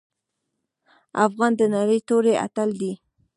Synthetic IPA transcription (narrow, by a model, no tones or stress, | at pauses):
afɣɑnd̪ənaɾəjt̪oɾeʔa̰t̪əld̪i